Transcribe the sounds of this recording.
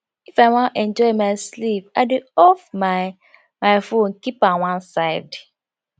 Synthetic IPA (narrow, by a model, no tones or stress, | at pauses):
ifaɪwãnʔɛ̃nd͡ʒɔɪmaɪslip̚aɪdeɔfma | maɪfonkipawãnsaɪvd